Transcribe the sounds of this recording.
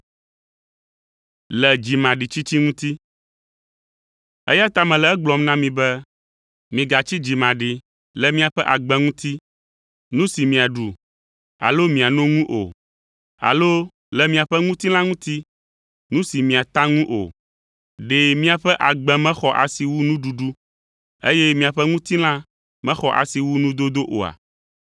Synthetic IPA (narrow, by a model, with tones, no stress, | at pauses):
lɛ˨d͡ʑi˨mã˨ɖi˨t͡ɕi˦t͡ɕi˦ŋũ˦t̪i˦ | ɛ̰˦ja˦t̪a˦mɛ̃˨lɛ˨ɛ˦ɡ͡blɔ˨mnã˦mĩ˨bɛ˦ | mĩ˨ɡa˨t͡ɕi˦d͡ʑi˨mã˨ɖi˨ | lɛ˨mĩ˦a˨ɸɛ˦ʔa˨ɡ͡bɛ̃˦ŋũ˦t̪i˦ | nũ˦si˨mĩ˨a˨ɖu˨ | a̰˨lo˦mĩ˨a˨nõ˦ŋũ˦ʔo̰˨ | a̰˨lo˦ | lɛ˦mĩ˨a˨ɸɛ˦ŋũ˦t̪i˦l̃ã˦ŋũ˦t̪i˦ | nũ˦si˨mĩ˨a˨t̪a˦ŋũ˦ʔo̰˨ | ɖe˨mĩ˦a˨ɸɛ˦ʔa˨ɡ͡bɛ̃˦mɛ̃˦xɔ˨ʔa̰˨si˨wu˦nũ˦ɖu˨ɖu˦ | ḛ˦jɛ˦mĩ˨a˨ɸɛ˦ŋũ˦t̪i˦l̃ã˦ | mɛ̃˦xɔ˨ʔa̰˨si˨wu˦nũ˦d̪o˦d̪o˦ʔo̰˨a̰˨